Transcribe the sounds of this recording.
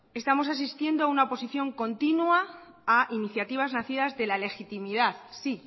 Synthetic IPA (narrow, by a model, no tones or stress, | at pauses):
e̞st̪amo̞s̬as̬ist̪je̞nd̪oaunaopo̞siθjo̞ŋko̞nt̪inwa | aʔiniθjat̪iβ̞aznaθiðazðe̞lale̞xit̪imiðaθsi